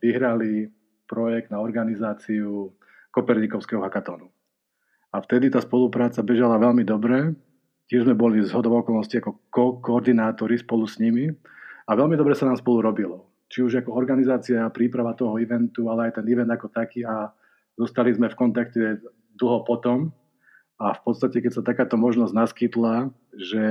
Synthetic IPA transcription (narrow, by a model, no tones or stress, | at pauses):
ʋiɦɾali | pɾɔjɛɡ̚d̪naɔɾɡanizaːt͡siu | kɔpɛɾɲikɔʊskɛɦɔɦakat̪ɔːnu | aft̪ɛd̪it̪aːspɔlupɾaːt͡sabɛʒalaʋɛʎmid̪ɔbɾɛ | cɪɛʒzmɛbɔlizɦɔd̪ɔʊɔkɔlnɔsciakɔkɔkɔːɾd̪inaːt̪ɔɾispɔlusɲimi | aʋɛlmid̪ɔbɾɛsanaːmspɔluɾɔbilɔ | t͡ʃiuʒakɔɔɾɡanizaːt͡siapɾiːpɾaʋat̪ɔɦɔiʋɛnt̪ualɛajt̪ɛniʋɛnd̪akɔt̪akiːa | zɔst̪alizmɛfkɔnt̪akcɛ | d̪l̩ˠɦɔpɔt̪ɔm | afpɔtt͡sst̪acɛkɛcsat̪akaːt̪ɔmɔʒnɔzɟnaskit̪la | ʒɛ